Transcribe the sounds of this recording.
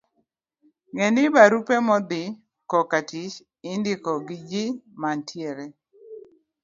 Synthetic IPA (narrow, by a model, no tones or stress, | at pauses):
ŋɛnɪbaɾupemɔd̪ɪ | kɔkatɪt͡ʃ | ɪndɪkɔɡɪd͡ʒɪmantʰjeɾe